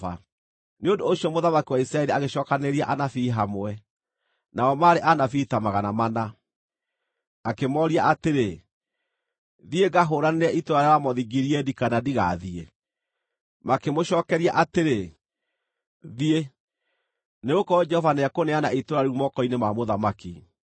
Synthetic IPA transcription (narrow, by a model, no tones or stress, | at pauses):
a̰ | neondoːɕiɔmoðamakiwaisɾaɛɾiaɣeɕɔːkaneɾiaʔanafiɦamoɛ | naɔmaːɾeʔanafitamaɣanamana | akemɔɾiaʔateɾe | ðieɡaɦoːɾaneɾɛʔitoɾaɾjawamɔðiɡiɾiɛdikanadiɣa̰ðie | makemoɕɔːkɛɾiaʔateɾe | ðie | neɣokɔd͡ʒɛhɔvaneakoneanaitoɾaɾumɔkɔinemamoðamaki